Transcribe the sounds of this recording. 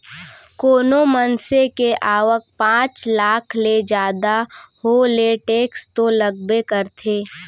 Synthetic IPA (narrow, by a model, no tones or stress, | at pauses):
koːnomənsekeʔaːʋək̚pãːt͡ʃlaːkʰled͡ʒaːd̪aholeʈeːkst̪oləɡ̚bekəɾt̪ʰeː